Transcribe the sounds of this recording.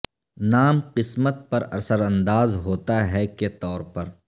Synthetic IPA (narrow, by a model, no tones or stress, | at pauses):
naːmqɪsmət̪̚pɐɾɐ̰ɾsəɾɐ̃nd̪aːzɦoːt̪aɦɛket̪ɔːɾpɐɾ